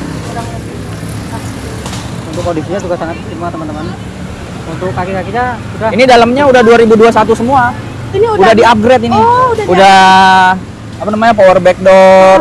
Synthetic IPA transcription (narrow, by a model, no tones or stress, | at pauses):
da | a | unt̪ʊkːondisiɲat̪uɡkasaŋat̪̚simuat̪əmant̪əman | unt̪ʊkːakikakit̪a | udainidaləmɲaudahduaɾibuduasat̪usəmua | ndudahdiap̚ɡɾet̪iniuda | apanamaɲapowərbɛk̚dɔr